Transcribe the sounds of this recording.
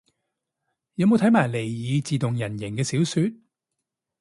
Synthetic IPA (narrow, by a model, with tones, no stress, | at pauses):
jɐ˨˧wmo˨˧wt̪ʰɐ˨˥jmaː˨˩jle˨˩jjiː˨˧t͡siː˨t̪ʊ˨˩ŋjɐ˨˩njɪ˨˩kɛː˧siː˨˥wsyː˧t̚